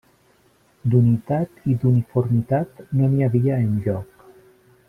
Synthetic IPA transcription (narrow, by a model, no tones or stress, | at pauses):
d̪unit̪at̪id̪unifuɾmit̪at̪noniaβiaenʎɔk